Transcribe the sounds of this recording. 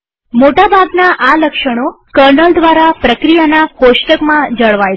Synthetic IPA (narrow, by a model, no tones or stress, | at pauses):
moʈabʱaɡnaʔaləkʃəɽ̃o | kəɾnəld̪ʋaɾapɾəkɾijanaposʈəkmãd͡ʒəɭʋaj